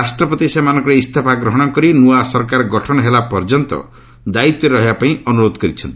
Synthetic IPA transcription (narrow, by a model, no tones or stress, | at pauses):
asʈɾɔpɔt̪isemanɔ̃ŋkɔɾeist̪ʰapaɡɾɔɦɔɽ̃ɔkɔɾinuasɔɾkaɾɡɔʈʰɔnɔɦelapɔɾd͡ʒɔnt̪ɔ̰ | d̪ait̪ːɔɾeɾɔɦibapaĩʔɔnuɾod̪ʱɔkɔɾit͡ʃʰɔnt̪i̥